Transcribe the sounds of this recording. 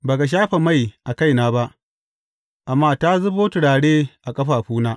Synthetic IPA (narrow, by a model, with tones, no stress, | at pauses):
baː˨ka˨ʃ̬aː˦ɸa˨ma˦˨jʔa˨ka˦jnaː˦ba˦ʔ | ʔa˨mːaː˦˨ta˦zu˦ɸoː˦tʊ˨ɽaː˨ɽeː˦ʔa˨kʼɐ˦ɸaː˨ɸuː˦naː˦